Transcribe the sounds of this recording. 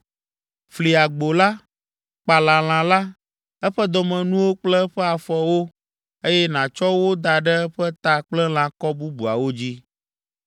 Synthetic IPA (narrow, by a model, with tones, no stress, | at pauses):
fli˨a˨ɡ͡bo˨la˦ | k͡pa˨lã˨l̃ã˨la˦ | ɛ˦ɸɛ˦d̪ɔ˨mɛ̃˨nũ˦wo˦k͡plɛ˦ɸɛ˦a˨fɔ˨wo˦ | e˦jɛ˦nã˨t͡ʃɔ˦wo˦d̪a˨ɖɛ˦ɛ˦ɸɛ˦t̪a˨k͡plɛ˦l̃ã˨kɔ˦bu˦bu˨a̰˨wo˦d͡ʑi˦